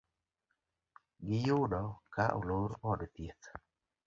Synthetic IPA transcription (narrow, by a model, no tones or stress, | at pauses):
ɡɪjʊdɔkaʔo̰loɾɔdt̪jet̪